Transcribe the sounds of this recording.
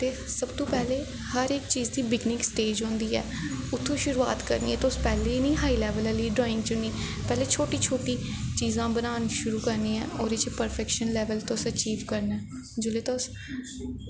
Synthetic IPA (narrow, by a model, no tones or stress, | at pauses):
t̪eː | səbt̪õːpɛːleː | həɾɪkt͡ʃiːzd̪iːbɪɡnɪksʈeːd͡ʒɦõːnd̪iːɛ̰ː | ʊt̪ʰːõːʃʊɾuːa̰ːt̪kə̰ɾnḭːɛ̃ːt̪oʊspɛːleːnĩːɦaːiːlɛːʋələliːɖɾɔːɪ̃ŋɡt͡ʃʊniː | pɛːleːt͡ʃʰoːʈiːt͡ʃʰoːʈiːt͡ʃiːzãːbənaːniʃʊɾuːkəɾnĩːɛ̃ːɔːɾɪt͡ʃpəɾpʰɛkʃənlɛːʋəlt̪osət͡ʃiːʋkəɾnɛː | d͡ʒʊleːt̪oʊs